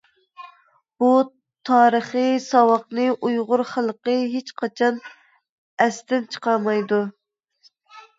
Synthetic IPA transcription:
b̥u | t̪ʰɑːɾəχəsɑwɑqnɨʔujʁʊɾχəlˠqəɦet͡ʃqʰɑt͡ʃʰɑn | ɛst̪ɪnt͡ʃʰə̥qʰɑɾmɑjd̪u

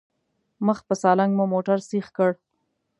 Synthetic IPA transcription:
məx̚pəsɑlaŋɡmumoʈaɾsixkəɽ

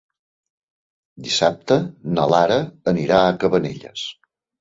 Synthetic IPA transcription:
d̪isap̚t̪ənəlaɾəːniɾaəkəβənḛʎə̰s

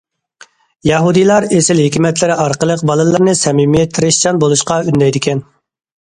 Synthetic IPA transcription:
jɑɦud̪ijlˠɑɾesɪlɦikʲimɛt̪ʰlɪɾɪɑɾqəlˠəq̚bɑlˠɨlˠəɾnɨsɛmimijɛt̪ʰɾɪʃt͡ʃɑnbolˠuʃqɑynd̪ɛjd̪ɪkʲɛn

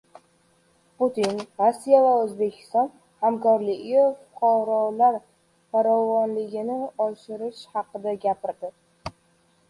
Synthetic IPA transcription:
put̪inɾosːijavaɵzbe̞kʲʰɪ̥st̪ɒn | hamkɒɾlɪɡʲɪfʊqʰɑɾɒlaɾ | faɾɒvɒnlɪɡʲɪnɪɒʃɪɾɪʃhɑqɨd̪aɡʲapɪɾd̪ɪ

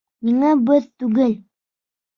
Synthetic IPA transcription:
niŋæbɘðt̪ʉɡɘl

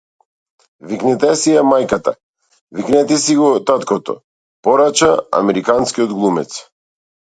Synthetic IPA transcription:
viknɛt̪ɛsijamajkat̪a̰ | viknɛt̪ɛsiɡɔt̪at̪kɔt̪ɔ̰ | pɔɾat͡ʃaa̰mɛɾikanskiɔd̪ɡlˠumɛ̰t̪s

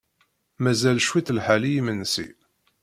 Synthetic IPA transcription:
mæzælʃwiθlħalijimənːsḭ

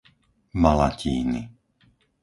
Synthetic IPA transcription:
malaciːni

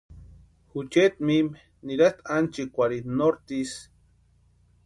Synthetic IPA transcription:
xut͡ʃet̪̚mim | niɾast̪ant͡ʃikʷaɾinoɾt̪is

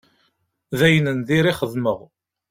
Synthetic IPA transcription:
ðæjənənðiɾɪχəðməʁ

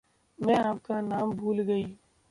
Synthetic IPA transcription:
mɛ̃ːaːp̚kanaːmbʱuːlɡəiː

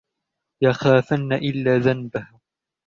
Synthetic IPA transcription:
jaxaːfanːaʔɪlːaːðanbah

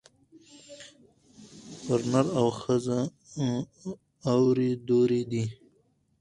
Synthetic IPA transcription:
bəɾnaɾawxəza | wɾid̪oɾid̪i

